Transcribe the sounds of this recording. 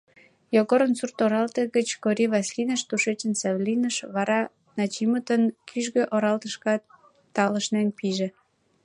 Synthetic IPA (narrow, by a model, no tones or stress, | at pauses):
joɣoɾənsurt̪oɾɑlt̪eɣət͡ɕkoɾiβɑsʲlʲinəʃt̪uʃet͡ɕənsɑβlʲinəʃβɑɾɑ | nɑt͡ɕimət̪ənkʰyʒɣøʔoɾɑlt̪əʃkɑ | t̪ɑləʃnenpiʒĕ